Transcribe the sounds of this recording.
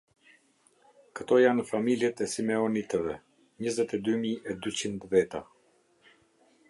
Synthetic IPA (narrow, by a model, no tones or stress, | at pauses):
kə̥t̪ɔjanfamiljɛt̪ɛsimɛɔnit̪ɛvɛ | ɲəzɛt̪ɛd̪ymiɛd̪yt͡ɕind̪vɛt̪a